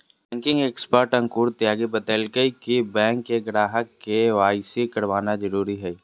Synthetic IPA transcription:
bɛ̃ːŋkɪ̃ŋɡeːkspəɾʈɐ̃ŋkuːɾt̪ɪaːɡebət̪əlkəikibɛ̃ːŋkːeɡɾaːɦəkːeʋaːɪsikɐɽʋaːnazəɾuːɾiɦɛ

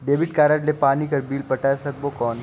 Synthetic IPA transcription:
ɖeːbɪʈ̚kaːɾaʈlepaːnikɐɾbiːlpɐʈaːesɐk̚bokɔːn

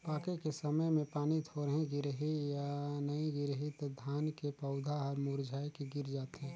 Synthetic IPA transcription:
paːkekesəməjmẽpaːnit̪ʰoɾɦĩɡɪɾɦijanəĩɡɪɾɦit̪d̪ʱaːnkepəʊd̪ʱaɦɔɾmuɾd͡ʒʱaːjkiɡɪɾd͡ʒaːt̪ɦɛ̃ː

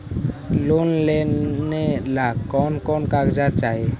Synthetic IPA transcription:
lunlɛɛlakɔnkɔnkaɡd͡ʒat͡ʃaɦɛ

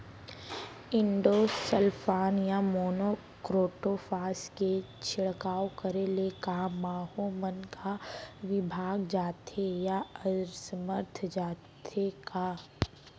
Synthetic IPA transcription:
ɪ̃ɳɖoːsəlpʰaːnjamoːnoː | kɾoːʈofaːske | t͡ʃʰɪɭkaːokəɾelekamaːɦomənkʰaʋɪbʱaːɡd͡ʒaːt̪ʰejaəɾsəməɾt̪ʰd͡ʒaːt̪ʰeka

